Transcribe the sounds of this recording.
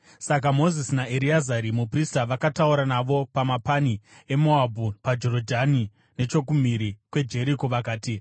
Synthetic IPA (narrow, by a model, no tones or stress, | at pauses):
sak̬amo̞zisinaeɾiazaɾimupristaʋakatauɾanaʋo̞pamapani | e̞moabʱupad͡ʒo̞ɾodʱani | ne̞t͡ʃo̞k̬um̤iɾikwe̞d͡ʒe̞ɾikoʋakaːti